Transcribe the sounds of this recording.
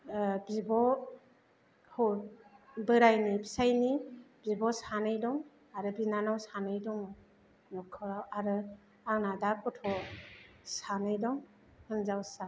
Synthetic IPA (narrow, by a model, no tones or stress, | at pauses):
bibɔ | hɔ | bɯɾajnibi̥sajnibibɔsanɯjdɔŋ | aɾɯbinanawsanɯjdɔŋ | nɔkʰɯɾawaɾɯ | aŋnadaɾkʰɔtʰɔ | sanɯjdɔŋ | hɯnzawsa